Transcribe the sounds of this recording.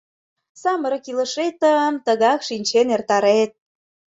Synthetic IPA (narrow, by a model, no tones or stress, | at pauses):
sɑməɾə̆kilə̆ʃet̪əəmt̪əɣɑkʃinʲt͡ɕenert̪ɑɾet̪̚